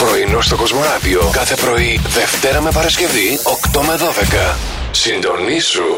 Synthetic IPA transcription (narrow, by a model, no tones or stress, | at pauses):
pɾo̞inost̪o̞ko̞zmo̞ɐðio̞kɐθe̞pɾo̞iðe̞ft̪e̞ɾɐme̞pɐɾɐsce̞vio̞kt̪o̞meðo̞ðe̞kɐ | sind̪o̞nisu